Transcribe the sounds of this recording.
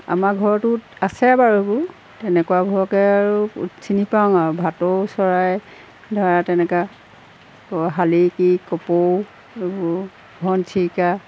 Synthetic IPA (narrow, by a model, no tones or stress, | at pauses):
a̰maɡʱɔɹɔtuasɛbaɹɔebʊ | tɛnɛkwabʱɔɹɔkɛaɹṵsinipaŋaɹbʱatosɔɹaj | dʱɔɹatɛnɛka | kɔɦalikikɔpow | ebʊ | ɡʱɔntʰika